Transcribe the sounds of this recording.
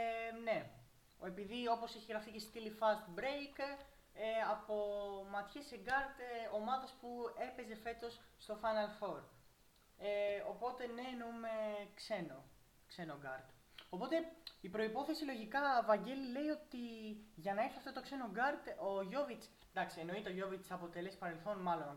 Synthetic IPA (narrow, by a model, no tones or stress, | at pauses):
ne̞ | e̞piðio̞po̞seçiɣɾɐficest̪ilifɐst̪bɾejk | eɐpo̞mɐt̪çe̞seɡɐɾt̪o̞mɐðɐspue̞pe̞ze̞fe̞t̪o̞sːt̪o̞fɐnɐlfo̞ɾ | eopo̞t̪e̞neːnoumekse̞no | kse̞noɡɐɾd̪ | o̞po̞t̪e̞ipɾo̞ipo̞θe̞silo̞ʝikɐːvɐɲɟe̞lile̞io̞t̪iʝɐnɐeɾçiɐft̪o̞t̪okse̞noɡɐɾd̪oʝo̞vit͡s | nd̪ɐksieno̞it̪eoʝo̞vit͡sɐpo̞t̪e̞lespɐɾe̞lθo̞nmɐlo̞n